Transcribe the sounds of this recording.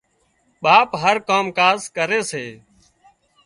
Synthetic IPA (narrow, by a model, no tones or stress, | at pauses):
ɓaːpɦəɾkoːmkaːzkəɾeːseː